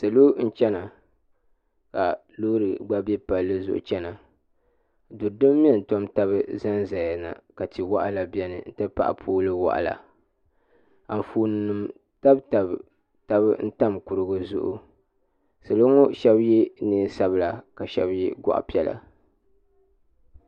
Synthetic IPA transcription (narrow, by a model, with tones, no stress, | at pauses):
sɨ˨lo˦n̩˦t͡ʃɛ˦na˨ | ka˨ | lo˦ɾɨ˨ɡ͡ba˦bɛ˦pa˨lːɨ˦zʊ̰˦˨ʔʊ̰˨t͡ʃɛ˦na˨ | du˨ɾdɨ˦mː˦i˦ɛ˦˨n̩˨tɔ˦mta˦βɨ˦za˦nza˨ja˨na̰˨ka˨ti˨wa˦ʔa˦la˨bi˦ɛ˦nɨ̰˨n̩˦tɨ˦pa̰˦ʔa̰˨pʰuː˦lɨ˦wa̰˨ʔa̰˨la̰˨ | a˨ɱ˨fuː˨nɨ˨nɨ˨m | ta˦bta˨b | ta˦bɨ˦n̩˦ta˦˨mku˨ɾɨ˨ɡɨ˨zʊ̰˦ʔʊ̰˨ | sɨ˨lo˦ŋɔ˦ʃɛ˦bjɛ˦neː˦sa˦bɨ˦la˨ka˨ʃɛ˦bjɛ˦ɡa̰˦ʔa̰˨pi˦ɛ˦la̰˨